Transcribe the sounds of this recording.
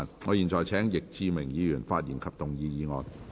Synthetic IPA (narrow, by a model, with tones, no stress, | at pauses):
nŋɔː˨˧jiː˨˩nt͡ʃɔː˨jt͡sʰɛː˨˥ŋjɪ˨k̚t͡siː˧mɪ˨˩ŋjiː˨˧jyː˨˩nfaː˧t̚jiː˨˩nkʰɐ˨p̚t̪ʊ˨˩ŋjiː˨˧jiː˨˧ŋɔː˨˧n